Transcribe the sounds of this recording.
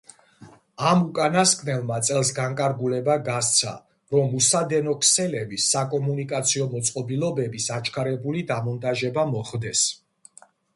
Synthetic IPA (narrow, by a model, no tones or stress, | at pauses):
amukʼanaskʼnɛlˠmat̪sʼɛlˠsɡaŋkʼaɾɡulɛbaɡast̪sʰa̰ | ɾɔmusad̪ɛnɔkʰsɛlɛbisakʼɔmunikʼat̪sʰiɔmɔt̪sʼqʼɔbilˠɔbɛbisat͡ʃʰkʰaɾɛbulid̪amɔnt̪ʼaʒɛbamɔχd̪ɛs